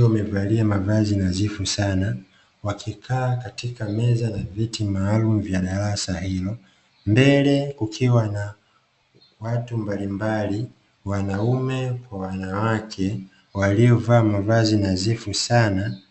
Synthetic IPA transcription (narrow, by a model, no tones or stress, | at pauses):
mɛvaliamavazinazifusana | wakʰikʰaːkatikamɛzanavitimaːlumuvjaɗaɾasahilɔ | mbɛlɛkukʰiwana | watumbalimbali | wanaumɛkwawanawakʰɛ | walijɔvaːmavazinazifusana